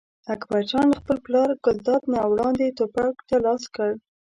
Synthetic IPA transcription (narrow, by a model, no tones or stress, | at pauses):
akbat͡ʃɑnd̪əxpəlplɑɾɡʊzd̪ɑt̪nawɽɑnd̪et̪opɑkt̪alɑskəɽ